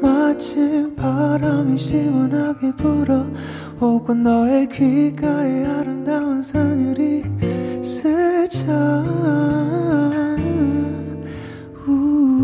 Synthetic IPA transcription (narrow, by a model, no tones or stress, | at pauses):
mat͡ɕʰipʰaɾamiɕibɯnaɡepɯɾʌ | hokɯndʌekʰikaeaɾɯnd̪amɯnsʌŋɲuɾi | sɯt͡ɕʰa | u